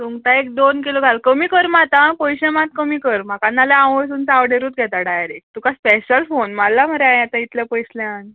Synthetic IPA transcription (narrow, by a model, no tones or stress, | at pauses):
t̪uŋɡt̪aekd̪onkiloɡʱalkəmiːkəɾmat̪apojɕẽmat̪̚kəmiːkəɾm̤akãnːaleãəɭsuːnt͡sawɖeɾuːt̪̚ɡʱɛt̪aɖajəɾek̚t̪ukaspeɕəlfonmalːam̤əɾeajat̪ait̪lapəjslaan